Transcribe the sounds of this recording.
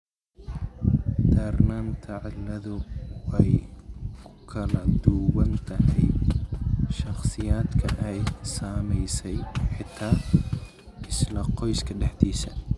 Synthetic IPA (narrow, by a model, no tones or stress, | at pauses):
d̪ɐrnaːmt̪ʰɐʕɪlːɐðʊɛjkʰʊ̥kʰɐlɐd̪uːwɐnt̪ʰɐɦɛj | ʃɑχsɪjaːd̪kʰɐʔɛjsaːmɛjsɛjħɪt̪ʰːaː | ʔɪslɐqɔjskʰɐɖɛħt̪iːsɐ